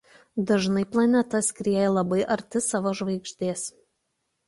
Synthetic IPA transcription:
d̪ɐʒnɐɪplˠɐnʲɛt̪ɐskɾʲiɛjɛlˠɐbɐɪʔɐɾʲt̪ʲɪsɑːʋoːʒʋɐɪkʃʲt̪ʲeːs

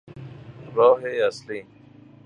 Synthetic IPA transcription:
ɾɔːɦeːɐsliː

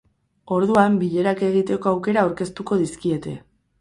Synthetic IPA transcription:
o̞ɾðuambiʎe̞ɾake̞ɣ̞it̪e̞ko̞awke̞ɾaːwɾke̞st̪uko̞ðiskie̞t̪e̞̰

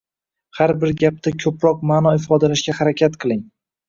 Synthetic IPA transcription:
haɾbɪɾɡʲap̚t̪ʰakʲʰɵpɾɒq̚maːnɒɪfɒd̪alaʃɡʲahaɾakʲʰat̪qʰɨlˠɪŋ

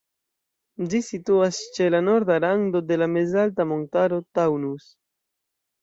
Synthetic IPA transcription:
d͡ʒisituast͡ʃe̞lano̞ɾdalando̞de̞lamezaltamontaɾo̞tawnus

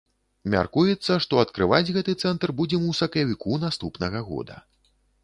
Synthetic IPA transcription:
mʲa̰rkujɛt̪sːɐʂt̪ɔɐt̪kɾɨvad͡zʲɣɛt̪ɨt̪sɛnt̪rbud͡zʲɛmusɐkjɐvʲikunast̪upnɐɣɐɣɔ̰d̪ɐ̰

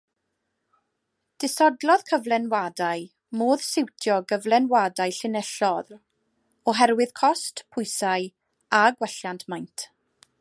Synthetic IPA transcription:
d̥ɪsɔdlˠɔðkʰəvlˠɛnwadaj | moːðsɪwtʰjɔɡəvlˠɛnwadajɬɪnɛɬɔð | ɔɦɛɾwɨðkʰɔstpʰʊjsaj | aɡwɛɬjantʰmajntʰ

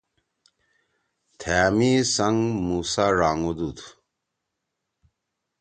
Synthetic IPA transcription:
t̪ʰaːmisɐŋmuːsaɾaːŋud̪ut̪ʰu̥

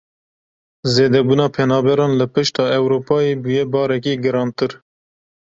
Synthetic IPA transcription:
zeːd̪ɛbuːnɑːpʰɛnɑːbɛɾɑːnlɨpɨʃt̪ɑːɛwɾoːpɑːjeːbujɛbɑːɾɛk̬iːɡɨɾɑːnt̪ɨɾ

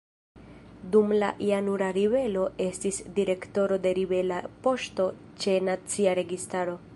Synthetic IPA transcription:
dumla̰ʔianuɾaɾibe̞lo̞e̞stisdiɾe̞kto̞ɾo̞de̞ɾibe̞lapo̞ʃto̞ | t͡ʃe̞nat͡siaɾe̞ɡistaɾo̞

